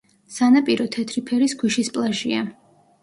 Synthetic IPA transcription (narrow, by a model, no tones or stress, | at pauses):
sanapʼiɾɔt̪ʰɛt̪ʰɾipʰɛɾisɡʰiʃispʼlˠaʒia